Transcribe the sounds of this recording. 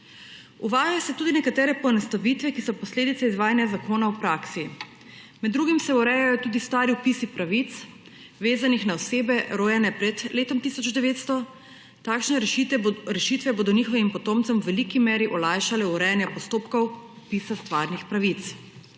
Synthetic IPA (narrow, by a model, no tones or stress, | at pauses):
uʋaːjajɔsɛt̪uːd̪inɛkat̪ɛːɾɛpɔnɛst̪aʋit̪ʋɛkisɔpɔsleːd̪it̪ɛizʋaːjanjazakoːnawpɾaːksi | mɛd̪ːɾuɡimsɛuɾɛjajɔt̪uːd̪ist̪aːɾiɔpisipɾaʋit̪s | ʋeːzanixnaɔseːbɛɾoːjɛnɛpɾɛt̪leːt̪ɔmt̪isɔd͡ʒd̪ɛʋeːt̪st̪ɔ | t̪aːkʃnɛ | ɾɛʃit̪ʋɛboːd̪ɔniːxɔʋimpɔt̪oːmt̪sɛmwʋɛlikimɛːɾiʔɔlajʃalɛuɾɛjanjapɔst̪oːpkɔwɔpiːsast̪ʋaːɾnixpɾaʋit̪s